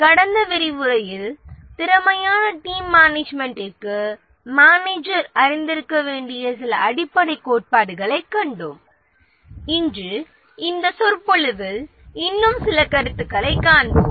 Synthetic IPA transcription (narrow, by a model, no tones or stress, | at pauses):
kɐɽɐnd̪ɐʋɪɾɪʋʊɾɐjɪlt̪ɪɾɐmɐjaːnɐʈiːmːaːneːd͡ʒmɛɳʈɪrkːɯ | maːneːd͡ʒɐɾɐɾɪnd̪ɪɾɯkːɐʋeːɳɖɪjɐsɪlɐɐɽɪpːɐɽɐɪkːoːʈ̚paːɽɯɣɐɭɐɪkːɐɳɖɯm | ɪndrɯ | ɪnd̪ɐsɔɾpɔɭɯʋɪl | ɪnːɯmsɪlɐkɐɾɯt̪ːɯkːɐɭɐɪkːaːɳbɯmm